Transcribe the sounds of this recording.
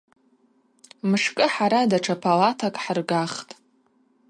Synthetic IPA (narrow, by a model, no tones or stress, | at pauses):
mɨʂkʼɨħaɾadaʈ͡ʂʰapʰalatʰakʼħrɡaχtʼ